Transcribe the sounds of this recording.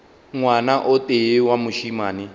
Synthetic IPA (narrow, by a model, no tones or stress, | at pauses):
ŋwanaʔʊteɪwamʊʃimaːnɪ